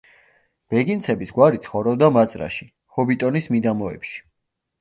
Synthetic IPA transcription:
b̥ɛɡint̪sʰɛbisɡwaɾit̪sʰχɔɾɛbd̪amat̪sʼɾa̰ʃi̥ | hɔbit̪ʼɔnismid̪amɔɛ̰pʃi̥

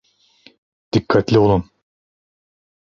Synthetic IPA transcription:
d̪̥ikʰːat̪lʲiolˠum

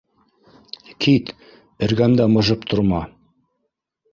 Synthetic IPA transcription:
kʰit̪ | ɘ̆ɾɡæmd̪æmɤ̆ʒɤpt̪ʰŏɾmɑ

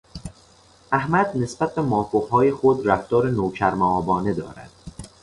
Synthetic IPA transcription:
ʔæhmæd̪ne̞sbæt̪̚bemɒːfoɦɒːjexod̪ɾæft̪ɒːɾenoːcʰæɾmæɒːbɒːne̞d̪ɒ̰ːɾæ̰d̪̥

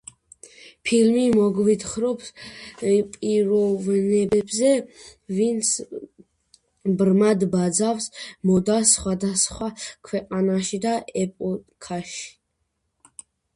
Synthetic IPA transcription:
pʰilmimɔɡvit̪χɾɔps | pʼiɾɔvnɛbɛbzɛvint̪sʰ | bɾmad̪bad̪zafsmɔd̪asχwad̪asχwakʰwɛqʼanaʃid̪aʔɛpʼɔkʰaʃi̥

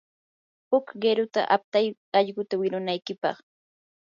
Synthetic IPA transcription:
hʊkɢeɾʊt̪a̰ʔap̚t̪aj | ɑʎɢʊt̪awɪɾʊnajkɪpɑ̰χ

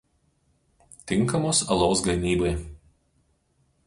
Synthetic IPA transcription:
t̪ʲɪŋˑkɐmoːsɐlˠoʊsɡɐmʲiːbɐɪ

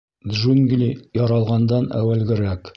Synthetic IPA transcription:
d̪ʒuŋɡlʲijɒɾɑlˠʁɑnd̪ɑnæ̰wælɡɘ̆ɾæk

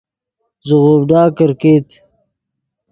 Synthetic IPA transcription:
zuɣoːbɖaːkɐɾkeːt̪

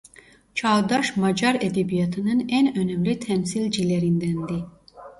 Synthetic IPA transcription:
t͡ʃʰɑd̪ɑʃmɑd͡ʒɑɾɛd̪ebijɑt̪ʰɯnɯnænønɛmlʲit̪ʰɛmsilʲd͡ʒileɾind̪ænd̪i

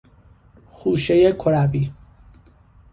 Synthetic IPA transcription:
xuːʃejekʰoɾæbiː

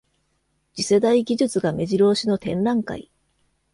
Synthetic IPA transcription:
d͡ʑise̞d̪aiɡʲiʑɨt͡sɨɡame̞ʑiɾo̞ːɕino̞t̪ẽ̞nɾãŋka̰i

